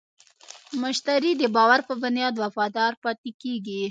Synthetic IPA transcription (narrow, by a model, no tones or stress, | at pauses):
mʊʃt̪aɾid̪əbɑwaɾpəbʊnjɑd̪wafɑd̪ɑɾpɑt̪ikeɡi